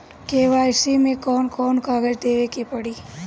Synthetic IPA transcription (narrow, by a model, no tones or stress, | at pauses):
keːʋaːjsimẽkɔːnkɔːnkaːɡəɾd̪eːʋekepɐɽiː